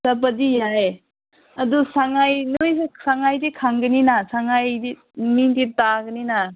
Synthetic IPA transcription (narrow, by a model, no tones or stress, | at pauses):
sap̬adijae | ɐdusaŋajnojssaŋajdikʰaŋɡɯninasaŋajdi | mintitaɡənina